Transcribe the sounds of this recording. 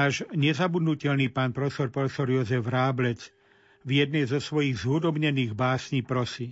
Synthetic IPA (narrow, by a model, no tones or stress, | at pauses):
aːʒɲɛzabud̪nucɛʎniːpaːnpɾɔfɛsɔɾpɾɔfɛsɔɾjɔzɛvɾaːblɛt͡s | vjɛd̪̚nɛjzɔsʋɔjiɣzɦud̪ɔbɲɛniːɣbaːsɲiːpɾɔsi